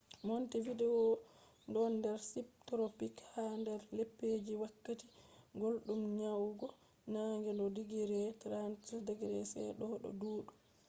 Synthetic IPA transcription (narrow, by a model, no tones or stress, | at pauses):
montividɛɔ | ndɔnːdɛɾsip̚tɾopikhandɛɾlepːed͡ʒiwakːati̥ɡolɗumɲawɡɔ | naŋɡɛndɔdiɡiɾɛtɾansdɛɡɾɛsɛ̰ɗɔɗɔ̰duːɗu